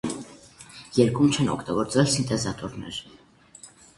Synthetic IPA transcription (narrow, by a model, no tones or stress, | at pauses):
jɛɾkumt͡ʃʰɛnɔ̰kʰt̪ɑɡɔɾt͡svɛlsint̪ɛzɑt̪ɔɾnɛ̰ɾ